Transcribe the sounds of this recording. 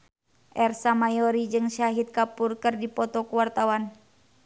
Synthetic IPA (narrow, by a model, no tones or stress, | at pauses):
ʔɛrsamajɔɾid͡ʒɨŋʃaɦit̪̚kapurkɨrdipɔt̪ɔkuwart̪awan